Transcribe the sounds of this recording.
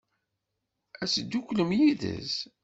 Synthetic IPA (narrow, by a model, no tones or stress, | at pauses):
æsəd̪ːukʷləmjiðə̰z